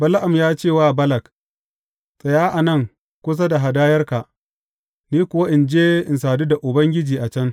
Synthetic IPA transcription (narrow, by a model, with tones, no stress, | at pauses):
bɐ˦la˦ʔa˨mjaː˦t͡ʃeː˦˨waː˦˨bɐ˦lɐ˨k | sʼɐ˨jaː˦ʔa˨nɐ˦˨ŋ | kʷʊ˦s̬a˦da˨ɦa˨daː˦jɐ˦rka˨ | niː˦kʷʊ˨wa˦ʔɪ˨nd͡ʒeː˦ʔɪ˨nsaː˨niː˦da˨ʔʊ˨bɐ˦ŋɡʲɪ˦d͡ʒiː˨ʔa˨t͡ʃɐ˦n